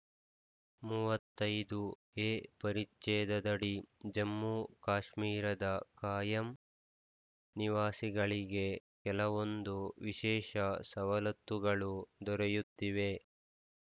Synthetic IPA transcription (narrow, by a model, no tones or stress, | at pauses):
muːʋɐt̪ːɐjd̪u | eːpɐɾit͡ʃːɛːd̪ɐd̪ɐɽid͡ʒɐmːukaːʃmiːɾɐd̪ɐkaːjɐm | niʋaːsiɡɐɭiɡe̞kɛlɐʋo̞nd̪uʋiʃɛːʃɐsɐʋɐlɐt̪ːuɡɐɭud̪ɔɾejut̪ːiʋe